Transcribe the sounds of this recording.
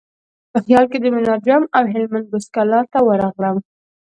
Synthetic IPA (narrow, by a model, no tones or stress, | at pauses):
pəxjɑlked̪əmʊnɑd͡ʒamawɦɪlmand̪̚bʊskalɑɾt̪awəɾɑɣləm